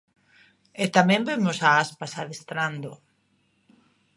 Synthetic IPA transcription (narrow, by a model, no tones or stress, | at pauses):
et̪amɛ̃mbemosaaspasaðest̪ɾand̪o